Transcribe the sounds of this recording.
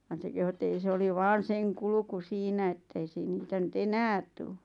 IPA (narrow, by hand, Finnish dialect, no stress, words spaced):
ʋɑn se kehu et ei se oli ʋɑːn̞ seŋ kulŭku siːnæ etːei siːn niːtæ nyt enæːt tuː